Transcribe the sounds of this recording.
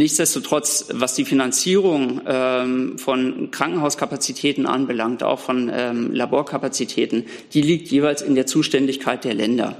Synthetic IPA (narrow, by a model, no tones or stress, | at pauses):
nɪçt͡sd̥ɛstotʁ̥ɔt͡svasd̥iːfinant͡siːʁ̞ʊŋʔɛmfɔnkʁ̥aŋkŋ̩ɦaʊskʰapat͡sitʰɛːtn̩ʔa̰nbəlaŋk̚ta̰ʊxfɔnɛmlaboːɐkʰapat͡sitʰɛːtn̩ | d̥iːliːk̚tʰjeːvaɪlsɪndeːɐt͡suːʃtɛndɪçkʰaɪt̚d̥eːɐlɛndɐ̰